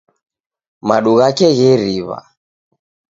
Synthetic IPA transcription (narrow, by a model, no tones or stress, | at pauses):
maɗuɣakɛɣɛɾiβa̰